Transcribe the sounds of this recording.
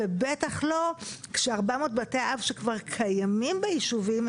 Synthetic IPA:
ebetaχlo̞kʃeaʁbamo̞ːtbateaʔavʃekvaʁkʰajamimbeiʃuvim

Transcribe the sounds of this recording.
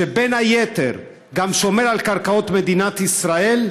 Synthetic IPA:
ebenhajet̪eʁ | ɡamʃo̞meʁalkaʁkaot̪me̞d̪inat̪isʁae̞l

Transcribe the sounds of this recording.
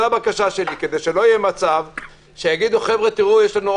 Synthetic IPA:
abakaʃaʃe̞liked̪e̞jʃe̞lo̞ijemat͡sav | ʃejaɡid̪uχevʁet̪iʁujeʃlanu

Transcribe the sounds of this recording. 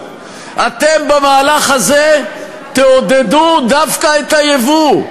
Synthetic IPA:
ʔat̪embemaːlaχaze | t̪eod̪ed̪ud̪afkaet̪ajevu

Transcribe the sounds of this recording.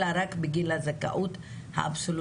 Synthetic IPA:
aɾakbiɡilazaka̰ʔut̪ | ha̰absol

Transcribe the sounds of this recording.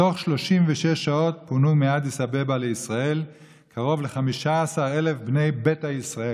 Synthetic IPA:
o̞χʃlo̞ʃimveʃeʃːao̞t̚punumead̪isabebaleisʁae̞l | kʰaʁo̞vleχamiʃaːsaʁe̞lefbne̞jbethajisʁae

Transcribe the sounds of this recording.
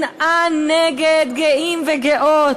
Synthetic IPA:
nʔanːɛɡed̪ɡeʔimveɡeʔot

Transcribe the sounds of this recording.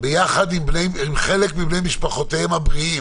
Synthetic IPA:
bejaχad̪imbnejimχelekmibnejmiʃpaχot̪eemhabʁiim

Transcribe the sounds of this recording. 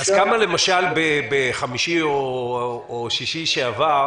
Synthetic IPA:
azkamale̞maʃalbebeχamiʃio | oʃiʃiʃeava

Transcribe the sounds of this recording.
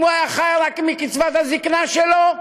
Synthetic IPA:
muajaχajaʁakimikit͡svat̪haziknaʃelo

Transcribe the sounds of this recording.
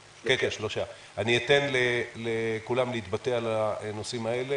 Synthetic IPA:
kekeʃloʃa | aniet̪enlelekulamleit̪̚bat̪ealanosimae̞le

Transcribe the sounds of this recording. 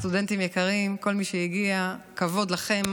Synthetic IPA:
t̪ude̞ntimjekaʁimko̞lmiʃejiɡiakavo̞d̪laχe̞m

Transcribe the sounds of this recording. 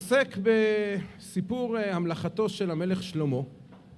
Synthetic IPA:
sekbesipuʁhamlaχat̪o̞ʃelame̞leχʃlo̞mo̞

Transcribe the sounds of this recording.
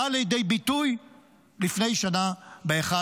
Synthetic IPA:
alejid̪ejbituj | lifne̞jʃanabeeχa

